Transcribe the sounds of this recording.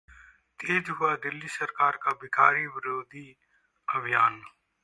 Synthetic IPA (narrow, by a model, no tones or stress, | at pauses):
t̪eːd͡ʒɦʊaːd̪ɪlːiːsəɾkaːɾkaːbɪkaːɾiːʋɪɾoːd̪iː | əbʱɪjaːn